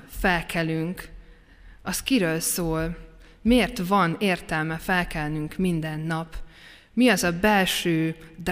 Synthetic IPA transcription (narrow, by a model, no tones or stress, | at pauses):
fɛlkʰɛlyŋk | ɒskiɾøːlsoːl | meːrt̪vɒneːrt̪ɛlmɛfɛlkɛlnyŋkmind̪ɛnːɒp | miɒzɒbɛlʃøːd̪